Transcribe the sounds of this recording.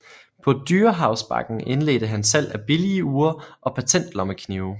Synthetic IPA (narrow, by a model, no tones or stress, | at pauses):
pʰɒ̽d̥yːɐɦɑ̈ʊsb̥ɑ̈ɡ̥n̩e̝nle̝ːd̥əɦænsæl̰æb̥iliəuːɐʔɒ̽pʰæt͡sʰen̰d̥lɒ̽məkʰniʊ